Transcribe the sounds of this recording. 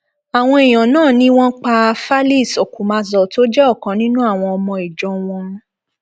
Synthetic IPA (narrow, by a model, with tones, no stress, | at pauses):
a˨w̃ɔ̃˧e˨j̃ɔ̃˨nãː˦˨nĩ˦w̃ɔ̃˦k͡pa˧fa˦li˦˨sɔ˨ku˨˦mã˧zɔ˨to˦d͡ʒɛ˦ɔ˦˨kã˨˧˦nĩ˦nũ˦a˦˨w̃ɔ̃˧ɔ˧mɔ̃˧i˨d͡ʒɔ˨˦w̃ɔ̃˧